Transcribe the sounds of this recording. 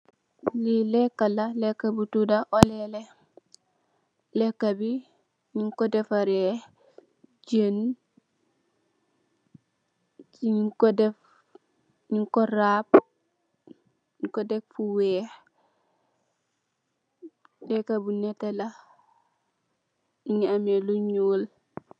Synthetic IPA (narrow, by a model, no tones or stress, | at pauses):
lilekːalalekabutudaʔolele | lekːabi | ɲiŋkodefaɾe | ɟen | t͡ʃikodef | ɲiŋkɔɾab̚ | ɲikodɛk̚fuwɛːh | lɛkabinetala | iŋiameluɲuːl